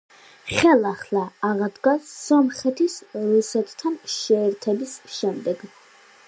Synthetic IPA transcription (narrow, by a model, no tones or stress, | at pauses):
χɛlˠaχlˠaːʁad̪ɡassɔmχɛt̪ʰisɾusɛt̪ʰt̪ʰːanʃɛːɾt̪ʰɛbisʃɛmd̪ɛɡ